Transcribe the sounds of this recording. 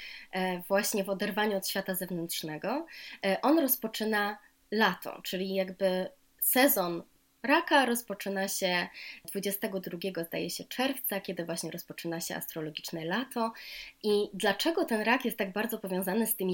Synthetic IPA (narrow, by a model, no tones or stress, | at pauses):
vwaɕɲɛvɔd̪ɛɾvaɲuɔt̪ɕfʲat̪azɛvnɛnt̪ʂnɛɡɔʔɔnɾɔspɔt͡ʂɘna | lat̪ʰɔ̰t͡ʂɘlʲijaɡbɘ | sɛzɔn | ɾakaɾɔspɔt͡ʂɘnaɕɛd̪vud͡ʑɛst̪ɛɡɔd̪ɾuɡʲɛɡɔzd̪a̰jɛɕɛt͡ʂɛɾft̪sakʲɛd̪ɘvwaɕɲɛɾɔspɔt͡ʂɘnaɕɛa̰st̪ɾɔlɔɡʲit͡ʂnɛlat̪ʰɔʔid̪lat͡ʂɛɡɔt̪ɛnɾakjɛst̪ːaɡ̚baɾd̪zɔpɔvʲjɔ̃w̃zanɘst̪ɘmʲi